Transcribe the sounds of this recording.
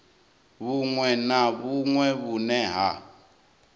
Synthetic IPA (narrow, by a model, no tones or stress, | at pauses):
βuŋwɛnaβuŋwɛβunɛɦa